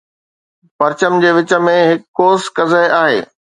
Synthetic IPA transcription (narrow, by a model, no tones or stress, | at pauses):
pɐɾt͡ɕəmd͡ʑeːʋɪt͡ɕə̆mẽɦɪkːoːskɐzəɦɪʔaːɦḛː